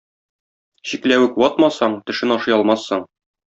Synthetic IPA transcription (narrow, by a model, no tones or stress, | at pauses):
ɕiklæwɘkwɒt̪mɑsɑɴt̪ɘ̆ʃɘnɒʃɤjɒlˠmɑsːɤɴ